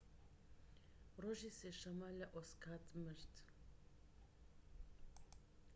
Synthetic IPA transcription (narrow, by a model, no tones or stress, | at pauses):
rɔʒisɛʃamalaʔɔskʰat̪ʼməɾt̪ʰ